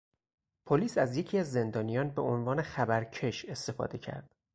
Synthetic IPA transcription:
pʰoliːsæzje̞cʰiːæzːe̞nd̪ɒːnijɒːnbe̞onvɒːne̞xæbæɾcʰe̞ʃe̞st̪e̞fɒ̰ːd̪e̞cʰæ̰ɾd̪̥

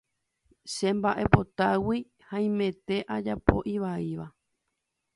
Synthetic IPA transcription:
ʃe̞mbaʔe̞po̞t̪awi | hãĩmẽ̞t̪e̞ʔad͡ʒapo̞̰ʔiʋaiʋa

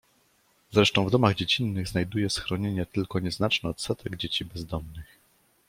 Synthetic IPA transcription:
z̥ɾɛʂt̪ɔ̃w̃vd̪ɔmaɣd͡ʑet͡ɕinːɘɣznajd̪ujɛsxɾɔɲeɲɛt̪ɘlkɔɲɛznat͡ʂnɛɔt̪sɛt̪ʰɛɡd͡ʑet͡ɕibɛzd̪ɔmnɘx

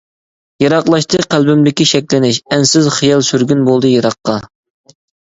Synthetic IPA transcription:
jɑɾɑqlˠɑʃt̪ʰɨqʰælbɪmd̪ɪkʲiʃɛkʲlɪnɪʃɛnsɪzχijɑlˠsyɾɡʲynbolˠd̪ɨjɑɾɑqːɑ

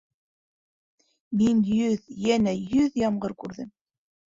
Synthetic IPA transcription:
minjɵðjænæjɵðjɑmɢɤɾkʉɾðɘm

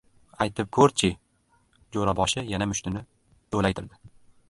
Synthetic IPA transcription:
ajt̪ʰɪp̚kʰɵɾt͡ʃʰɪ | d͡ʒoɾabɒʃɪjanamʊʃt̪ɪnɪ | t̪ʰolajt̪ʰɪɾd̪ɪ

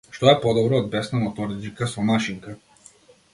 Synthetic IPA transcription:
ʃt̪ɔɛpɔd̪ɔbɾɔːd̪̚bɛsnamɔt̪ɔɾd͡ʒikasɔmaʃiŋka

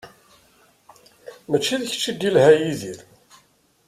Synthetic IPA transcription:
mæt͡ʃːiðəç̥t͡ʃːid̪ːilhæjiðiɾ

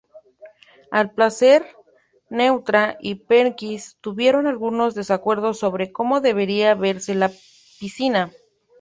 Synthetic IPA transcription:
alplase̞ɾ | ne̞wt̪ɾaʔipeŋkist̪uβje̞ɾo̞nalɣuno̞zðe̞sakwe̞ɾð̞o̞sːo̞βɾe̞ko̞mo̞ðe̞β̞e̞ɾiaβe̞ɾse̞la | pisina

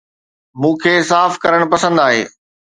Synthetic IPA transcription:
mũːkʰeːsaːfkɐɾəɽ̃pɐsə̃nd̪aːɦḛː

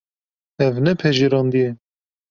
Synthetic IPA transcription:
ɛvnɛpʰɛʒiɾɑːnd̪ijɛ

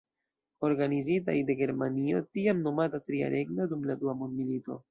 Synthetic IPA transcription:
o̞ɾɡanizita̰jde̞ɡe̞ɾmanio̞̰tiamno̞matatɾia̰ɾʔe̞ɡnodumladuamondmilito̞̰

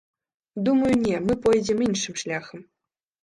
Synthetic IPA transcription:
d̪umɐjunʲemɨpojd͡ʑʲeminʲʂɨ̆mʂlʲɑxɤ̆m

